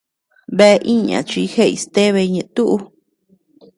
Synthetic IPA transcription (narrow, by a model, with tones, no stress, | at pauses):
βe˦˧ʔi˦ɲã̰˨t͡ʃi˧˦he˦˨i˧st̪e˦βe˧ɲẽ˨˧t̪u˦ʔu˧